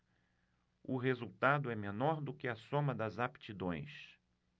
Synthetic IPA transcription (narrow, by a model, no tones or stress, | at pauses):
ʊɦezuwt̪ad̪ʊɛmenɔɾd̪ʊkɪɐsõmɐd̪ɐzapt͡ʃid̪õj̃s